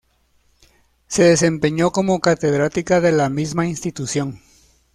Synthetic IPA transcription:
se̞ðe̞s̬e̞mpeɲo̞ko̞mo̞kat̪e̞ðɾat̪ikaðe̞lamizmainst̪it̪usjo̞ŋ

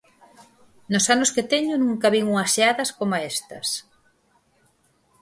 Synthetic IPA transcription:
nosanosket̪eɲʊnuŋkɐβiŋuŋɐsaðɐskomaest̪ɐs

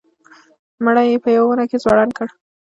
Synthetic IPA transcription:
məɽajepəjawawunakezwɑɽankəɽ

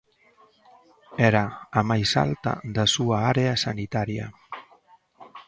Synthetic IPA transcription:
eɾaːmajsa̰lt̪a̰ðasuaaɾeasanit̪aɾia̰

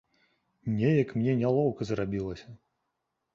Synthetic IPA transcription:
nʲɛjɐkmnʲɛnʲalˠɔwkɐzrabʲilˠɐsʲɐ

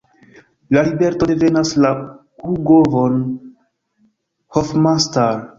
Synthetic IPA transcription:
lalibe̞ɾto̞de̞ve̞nasla | uɡovon | hofmastaɾ

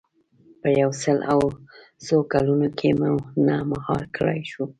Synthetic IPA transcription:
pəjawsəlʔaw | zokalunokʰemunamaɣɑɾkɽa̰jʃu

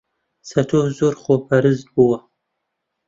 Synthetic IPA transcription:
sɐtʰoːzoːrχoːpʰɐɾɨzbuwɐ

